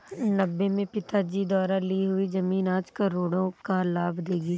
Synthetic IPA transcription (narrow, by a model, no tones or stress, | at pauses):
nɐbːemẽpɪt̪ad͡ʒid̪ɔːɾaliɦʊizɐmiːnaːd͡ʒkɐɾoːɽõkalaːbd̪eːɡiː